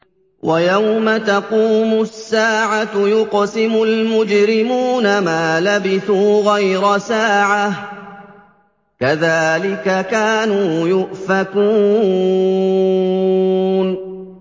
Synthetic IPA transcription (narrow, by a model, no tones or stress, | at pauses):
wʔajawmat̪aquːmʊsːaːʕajʊqsɪmʊlmʊd͡ʒɾɪmuːnamaːlabɪθuːɣajɾasaːʕah | kaðaːlɪkakaːnuːjʊʔfakuː | n